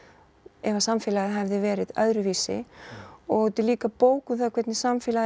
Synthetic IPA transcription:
ɛvasamfɪːlaðɪɦɛvðɪvɛːɾɪðœ̰ðɾʏviːsɪ̰ | ɔɣt̪ɪliːkapoːwkʏθakʰvɛt̪nɪsamfɪːla

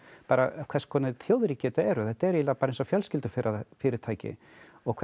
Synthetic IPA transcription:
paːɾa̰kʰvɛskʰɔːnɪθjoːwðɾiːcɛt̪aɛɾʏθɛht̪aɛɾilaːpaːɾensɔfjœlscɪlt̪ʏfɪɾafɪːɾɪɾ̥t̪ʰaːjcɪ̰ | ɔkʰɛ

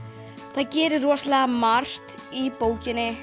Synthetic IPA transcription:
θaðcɛːɾɪrɔːslɛɣamar̥t̪ipoːwcɪnːɪ

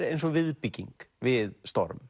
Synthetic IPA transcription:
ɾejnsɔɣvɪðpicːḭŋkvɪðst̪ɔ̰ɾm

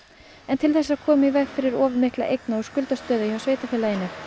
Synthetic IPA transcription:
ɛnt̪ʰɪlθɛsːaðkʰɔːmɪivɛɣfɪɾɪɾɔːvɪɾmɪhklaʔejknaɔskʏlt̪ast̪œːðʏhasveːjt̪afɪlːajɪnːɪ

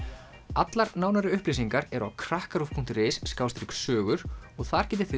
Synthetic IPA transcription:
at̪laɾnaːwnaɾɪʏhplijs̬iŋkaɾɛɾa̰wkʰɾahkaɾufpʰuŋ̥t̪ɪrɾejsːkaːwst̪ɾiksœːɣʏɾ̥ɔɣθaɾ̥cɛːt̪̬ɪɾ̥θɪ

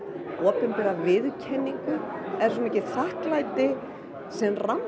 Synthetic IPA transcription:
ɔːpʏnpɛɾavɪðcʰɛnːiŋkʏɛɾ̥sɔnecːɪθahklajt̪ɪ | sɛmram

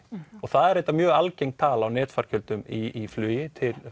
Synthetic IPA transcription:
ɔɣθaðɛɾejt̪amjœːɣalcejŋk̚t̪ʰaːlawnɛːt̪faɾ̥cʰʏlt̪ʏmiiflʏːjɪt̪ʰɪl

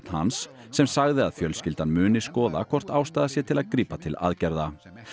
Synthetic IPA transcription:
t̪n̥ha̰nsː | ɛmsaɣðɪaðfjœlscɪlt̪anmʏːnɪskɔːða̰kʰɔr̥t̪aːwst̪aːðasjɛt̪ʰɪlaðkɾiːpat̪ʰɪla̰ðcɛɾða

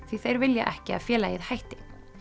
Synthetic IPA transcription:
θviθejɾvɪlja̰ʔɛhcɪa̰ðfjɛːlajɪðhajht̪ɪ̥

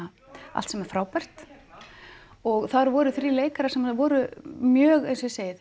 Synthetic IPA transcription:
a | a̰lt̪sɛmɛɾ̥fɾaːwpɛr̥t̪ | ɔɣθaɾvɔːɾʏθɾileːjkaɾḁsɛmavɔːɾʏmjœːɣejnsɔseːjð

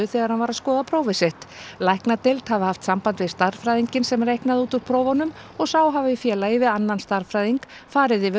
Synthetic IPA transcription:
ʏθɛːɣaɾ̥hanvaɾaðskɔːðapʰɾoːwvɪseht̪lajhknat̪elt̪havɪhaft̪sampant̪vɪðst̪aɾfɾajðiɲcɪnsɛmrejhknaðuːt̪uɾ̥pʰɾowvanʏm | ɔɣsaːwɦavɪfjɛːlaɪvɪðanːanst̪aɾ̥fɾajðiŋk | faːɾɪðɪvɪ

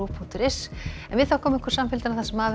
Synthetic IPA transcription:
upʰu̥t̪ɪɾɪsɛnvɪðθawkʰɔːmɪɪhkɾ̥samfɪlt̪ɪnaθasɛmaːð

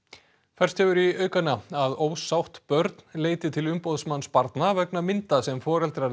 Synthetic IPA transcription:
fɛr̥st̪hɛvʏɾiœːɥkanːaaðoːwsawht̪pœɾt̪nleːjt̪ɪt̪ʰɪlʏmpowðsmanːspaɾt̪navɛk̚namɪnt̪asɛmfɔːɾɛlt̪ɾa

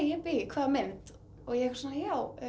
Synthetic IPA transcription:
jɪpɪkʰvaːðmɛnt̪ | ɔɣjɛ̥snajaːw

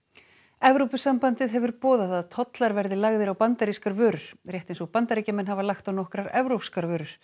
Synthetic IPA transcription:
ɛvɾowpʏsampant̪ɪðɦɛvʏɾpɔːðaðaðt̪ʰɔt̪laɾvɛɾðɪlaɣðɪɾawpant̪aɾiskaɾvœːɾʏɾ̥ɾ̥rjɛht̪ejnsɔɣpant̪aɾicamɛnɦavaɾlaxt̪awnɔhkɾaɾɛvɾowpskaɾvœːɾʏɾ̥

